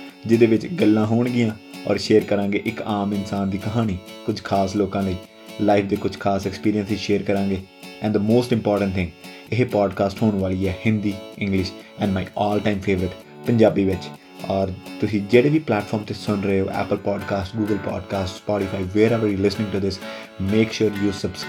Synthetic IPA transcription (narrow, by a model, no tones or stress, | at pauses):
d͡ʒɪd̪eːʋɪt͡ʃɡəlːãːɦoːɳɡɪjãːɔ̰ːɾʃeːɾkəɾãːŋɡeːʔɪkaːmɪnsaːnd̪iːkəɦaːñiːkʊd͡ʒʱkʰaːsloːkãːləiː | laːɪfʰd̪eːkʊd͡ʒkʰaːsɛkspiːɾijə̃nsiʃeːɾkəɾãːŋɡeː | ɛ̃ːnɖd̪əmoːsʈɪ̃mpɔːɾʈə̃ɳʈt̪ʰɪ̃ŋɡ | ɪɦeːpaːɖkaːsʈhoːnʋaːliːɛːhɪ̃nd̪iːɪ̃ŋɡlɪʃɛ̃ːnɖmaːiɔːlʈãːɪmfʰeːʋəɾɪʈ | pə̃ɲd͡ʒaːbiːʋɪt͡ʃ | ɔːɾt̪ʊsĩːd͡ʒeːɽeːʋiːplɛːʈfʰɔːɾmt̪esʊnɾəeo̰ːʔɛ̰ːpəlpɔːɖkaːsʈɡuːɡəlpɔ̰ːɖkaːsʈspɔːʈɪfʰaːiʋeːɾɛʋəɾjiːlɪsnɪ̃ŋɡʈud̪ɪs | meːkʃʊːɾjuːsəbs